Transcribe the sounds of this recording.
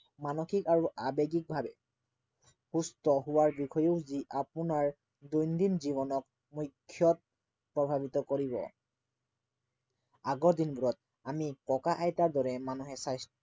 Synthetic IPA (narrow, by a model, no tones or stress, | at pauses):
manoxikaɹuʔabeɡik̚bʱabɛ̰ | hustɔɦʊwaɹbikʰɔjeʊziʔapunaɹ | dojndimziβɔnɔk̚ | mujkʰːjɔt̚ | pɹɔbʱabitɔkoɹibɔ̰ | aɡɔɹdinbuɹɔt̚ | amikɔkaʔajtaɹdɔɹɛmanuɦɛsajs